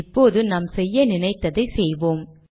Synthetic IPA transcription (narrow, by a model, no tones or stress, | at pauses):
ɪpːoːðɯnɐmsɛjːɐnɪnɐɪt̪ːɐðɐɪsɛjʋoːm